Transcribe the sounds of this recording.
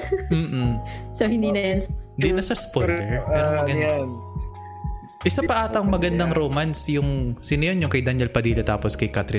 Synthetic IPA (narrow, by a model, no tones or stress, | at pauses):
m̩ːʔ̩sohɪnd̪iːnɐjɐnd̪inɐsɐspoɛɹmɛːɾomɐɐɡɐna | ʔɪsɐpɐʔaːt̪ɐŋmɐɡɐnd̪ɐŋɾoːmansjʊŋsɪnɐjonjʊŋkɐjd̪ɐnɛlpɐd̪iːlɐt̪a̰ːposkɐjkat̪ɾɪ